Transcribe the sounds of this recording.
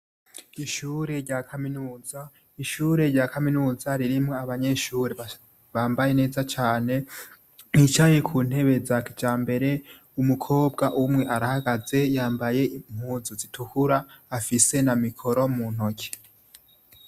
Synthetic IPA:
iʃuːɾe̞ɾɟaːkʰaminuːza | iʃuːɾe̞ɾɟaːkʰaminuːzaɾiɾimŋo̞aβaɲe̞ʃuːɾe | βaːmbaje̞ne̞ːzat͡ʃaːne̞ | nit͡ʃaje̞kʰun̥he̞βe̞zakid͡ʒaːmbe̞ɾe̞ | umukʰo̞ːbɡaʔumŋe̞ʔaɾahaɡaze̞jaːmbaje̞im̥huːzuzitʰuhuɾaːfise̞namikʰo̞ɾo̞mun̥ho̞kʰe̥

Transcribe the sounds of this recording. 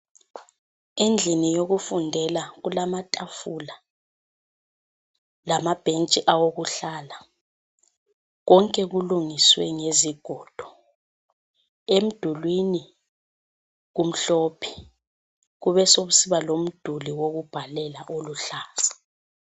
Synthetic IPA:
end͡ɮʱinijoɣufundʱɛlaɣulamatʼafula | lamab̥ʱent͡ʃʼiʔawoɣuɬaːla | ɣɔŋkʼɛɣuluŋiswɛ̰ŋeziɡ̥ʱɔːd̥ʱɔ | em̩d̥ʱulwini | ɣum̩ɬɔːpʰi̥ | ɣuβɛsoβusiβalom̩d̥ʱuliwoɣub̥ʱalɛlaʔoluɬaːzḁ

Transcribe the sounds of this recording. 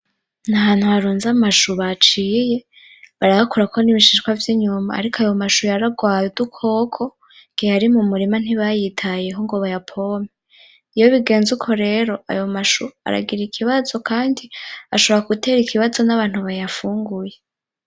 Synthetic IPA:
naβaːn̥huaɾuːnzamaʃuβat͡ʃiːje̞ | βaɾaβakuɾakʰoniβiʃiʃkwavjiɲuma̰ːɾikʰoajo̞maʃujaɾaɡwaːjedukʰo̞ːkʰo̞ | ŋɡ̥iaɾimumuɾiman̥iβajitʰaje̞ɦoŋɡoβajapʰo̞me | ijoβiɡe̞ːnzukʰo̞ɾe̞ɾo̞a̰jo̞maʃua̰ɾa̰ɡiɾikʰiβazo̞kʰaːndiaʃo̞βoɾakute̞ɾikʰiβazo̞naβaːn̥huβajafuːŋɡuje

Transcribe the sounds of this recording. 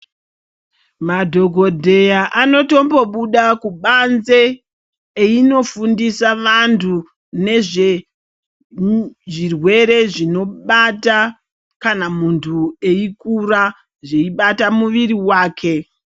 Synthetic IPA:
madʱo̞ɡʱo̞dʱe̞jaʔano̞to̞mbo̞ɓuɗakuɓanze̞ː | ino̞fundisaʋantʰu | ne̞ʐe | ʐirwe̞ɾe̞ʐino̞ɓata | kanamuntʰue̞ikura | ʐe̞iɓatamuʋiɾiwaːkʰe̞

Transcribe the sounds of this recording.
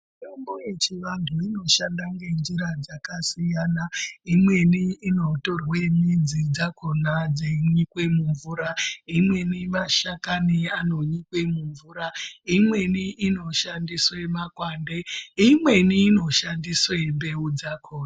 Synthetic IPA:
mutomboje̞t͡ʃiʋantʰuino̞ʃandaŋɡe̞nd͡ʒiɾad͡zakasijanaimwe̞niːno̞to̞rwemid͡zid͡zakʰo̞nad͡zeiɲikwe̞muɱvuːɾaimwe̞nimaʃakaniano̞ɲikwe̞muɱvuːɾaimwe̞niʔino̞ʃandiswemakwande̞imwe̞niːno̞ʃandiswe̞mbe̞ud͡zakʰoːna

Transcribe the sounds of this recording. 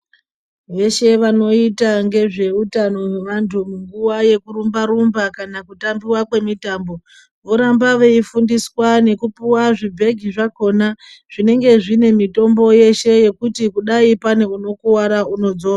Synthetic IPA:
ʋe̞ʃe̞ʋano̞itaŋɡe̞ʐe̞utano̞eʋantʰumuŋɡuwaje̞kuɾumbaɾumbakanakutambiwakwe̞mitaːmbo̞ | ʋo̞ɾambaʋe̞ifundiswane̞kupiwaʐibʱe̞ɡʱiʐako̞naʐ̥ine̞ŋɡe̞ʐine̞mito̞mbo̞je̞ʃe̞je̞kutikuɗaipane̞uno̞kuwaɾauno̞d͡zo̞ːra

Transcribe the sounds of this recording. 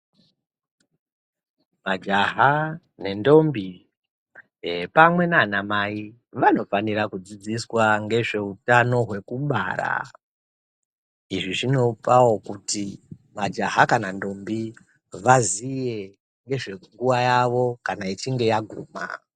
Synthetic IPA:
mad͡ʒaɦa | ne̞ndo̞mbi | pamwe̞naːnamai | ʋano̞faniɾakud͡zid͡ziswaŋɡe̞ʐe̞utano̞ɦwe̞kuɓa̰ɾa̰ | iʐiʐino̞pawo̞kutimad͡ʒaɦakanando̞mbi | ʋazije̞ | ŋɡe̞ʐe̞ŋɡuʋajaʋo̞kanait͡ʃiŋɡe̞jaɡʱuːma̰

